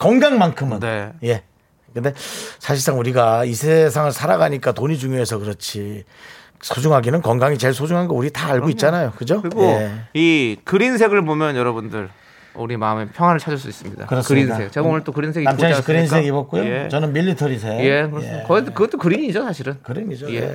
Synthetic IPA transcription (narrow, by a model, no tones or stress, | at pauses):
kʌŋɡaŋmankʰɯmɯnje̞ | kɯnde̞sʰaɕʰiɭs͈aŋuɾiɡaisʰe̞sʰaŋɯɭsʰaɾaɡaɲik͈atoɲid͡ʑuŋjoɦe̞sʰʌkɯɾʌt͡ɕʰi | sʰod͡ʑuŋɦaɡinɯnkʌŋɡaŋit͡ɕe̞ɭsʰod͡ʑuŋɦanɡʌuɾitaːɭɡoit̚t͡ɕ͈anajokɯd͡ʑoɯɾɡjeikɯɾinsʰe̞ɡɯɭbomjʌnjʌɾʌbundɯɭ | ṵɾimaɯme̞pʰjʌŋɦwanɯɭt͡ɕʰad͡ʑʌɭs̬͈uis͈ɯmɲḭda̰kɯɾʌsɯɾinʰek̚t͡ɕeɡaonɯɭt͈okɯɾins̬ʰeɡinamʰakɯɾinseɡibʌk͈ujot͡ɕʌnɯnmiʎːitʰʌɾis̬ʰe̞ekɯjekʌɡitkɯɡʌt͈okɯɾiɲid͡ʑosʰaɕʰiɾɯnkɯɾiɲid͡ʑojḛ